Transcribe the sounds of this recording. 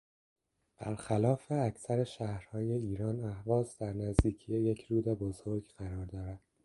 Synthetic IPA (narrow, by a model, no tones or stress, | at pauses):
b̥æ̰ɾxælɒːfe̞æcʰsæɾeʃæhɾhɒːje̞iːɾɒːnæhvɒːzd̪æɾnæzd̪iːcʰijejecʰɾuːd̪ebozo̞ɾɡɢæɾɒːɾd̪ɒːɾæd̪̥